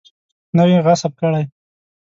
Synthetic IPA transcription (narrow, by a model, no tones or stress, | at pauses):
nawiɣasab̚kəɽaj